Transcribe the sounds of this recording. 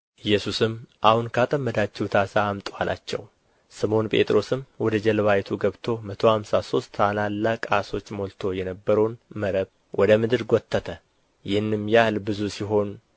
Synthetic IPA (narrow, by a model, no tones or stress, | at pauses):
ʔɨjːɛsusɨmʔahunkʰəat̪ʼəmːəd̪at͡ʃːɛhwt̪ʰasaːmt̪ʼoala̰t͡ʃːɛ̰w | sɨmo̞npʼe̞̰t̪ʼɾo̞sɨmwɔd̪əd͡ʒɛlβajt̪ʰuɡəβt̪ʰo̞mət̪ʰo̞hamsaso̞st̪ʰːalalːakʼaso̞t͡ʃːmo̞lt̪ʰo̞jɛnəbːəɾəwnməɾəβ | wʔɔd̪əmɨd̪ɨɾɡot̪ʰːət̪ʰə | jɪhɨnːɨmjahlbɨzusiɦo̞n